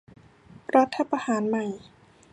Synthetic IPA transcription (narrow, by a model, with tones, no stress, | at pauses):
ɾa˦˥t̪ʰːa˧pa˧haː˩˦nma˨˩j